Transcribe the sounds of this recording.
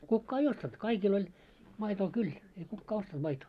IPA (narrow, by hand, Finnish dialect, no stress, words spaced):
kukːɑː ei ostɑnt kɑikil olʲ mɑitoː kyl ei kukːɑː ostɑnt mɑitoː